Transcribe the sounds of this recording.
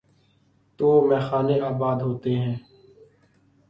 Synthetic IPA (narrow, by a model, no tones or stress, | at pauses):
t̪oːmɛːxaːneːaːbaːd̪ɦoːt̪eːɦɛ̃ː